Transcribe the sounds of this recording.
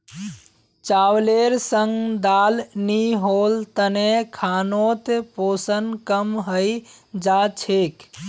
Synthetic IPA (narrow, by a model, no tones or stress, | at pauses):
t͡ʃawleɾsəŋɡd̪aːlniɦolt̪ənekʰaːnot̪epoːsənkəmɦəjd͡ʒat͡ʃʰek